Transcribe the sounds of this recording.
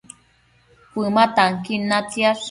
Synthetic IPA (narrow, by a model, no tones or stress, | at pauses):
pʷɨmat̪aŋkinat͡sjas